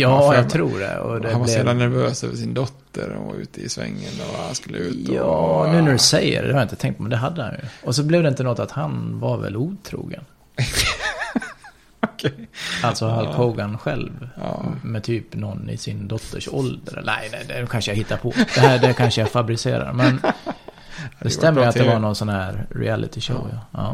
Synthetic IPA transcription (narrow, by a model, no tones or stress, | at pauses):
jɑːjɑɡt̪ʰɾuːɖɛ̰ɔ̰d̪ɛnvaɛɛːd̪anːæɾvøːsøːvəʂɪnd̪ɔt̪ʰːəɾ̰va̰ɾʉ̟ːt̪ʰəɪsvɛ̰ŋːənɔvahanskɵlːəʉːt̪ɑːnʉ̟ːnæɾɛsɛjːə̰ɾd̪ɛ̰haɾjɪnt̪ət̪ʰɛŋt̪pʰːɔmɛnd̪ɛɦad̪ːəha̰njɵ̰ɔs̬ɔblɪvd̪ɛɪnt̪ənɔt̪ːat̪hanvaɾvɛ̰lːuːt̪ʰɾṵːɡən | kʰalt̪sɔhalkʰoːɡanɧɛlv | mɛt̪ʰyːpnɔnːɪ̰sɪnd̪ɔt̪ʰːəʂɔld̪əɾɛ̰lnæɪnɛd̪ɛnkʰanʂəjahɪt̪ːaɾpʰɔd̥̪ɛɦæɖɛkʰanʂəjafabɾɪseːɾa̰ɾmɛn | d̪ɛst̪ɛmːəjat̪d̪ɛvaɾɳɔnsɔnhæːɾɾɪ̰ælɪ̰t̪ɪʂo̰ʊjaʔɑ̰ː